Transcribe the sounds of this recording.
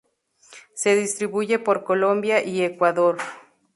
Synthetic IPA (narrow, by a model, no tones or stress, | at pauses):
se̞ðist̪ɾiβuʝe̞po̞ɾko̞lo̞mbjaʔiekwaðo̞ɾ